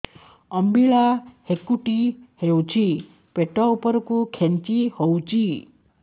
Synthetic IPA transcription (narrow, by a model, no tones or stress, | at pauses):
əmbiɭahekuʈihewt͡ʃʰi | peʈaupəɾkukʰent͡ʃihowt͡ʃʰi